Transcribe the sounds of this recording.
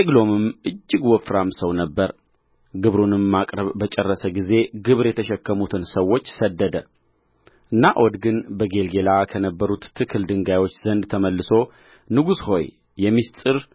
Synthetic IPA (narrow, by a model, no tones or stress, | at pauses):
eɡlo̞mɨmʔɨd͡ʒːɪɡwɔfɾamsəwnəbːəɾ | ɡɨβɾunɨmːakʼɾəβːət͡ʃʼɛrːəsəɡize̞ɡɨβɾjɛt̪ʰəʃɛkːəmut̪ʰɨnsəwːo̞t͡ʃːsəd̪ːəd̪ə | ʔɨnːaʔod̪ɡɨnbəɡe̞lɡe̞lakʰənəbːəɾut̪ːʰɨkʰːɨld̪ɨŋɡajwo̞t͡ʃːz̥ənd̪t̪ʰəməlːɨso̞ | nɨɡusho̞j | jɛmːist̪ʼɨɾ